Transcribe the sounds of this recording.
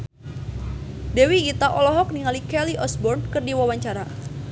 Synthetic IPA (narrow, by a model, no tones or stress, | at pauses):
dɛwiːt̪aʔɔlɔɦɔk̚niŋalikɛliʔɔsbɔrnkɨrdiwawaɲt͡ʃaɾa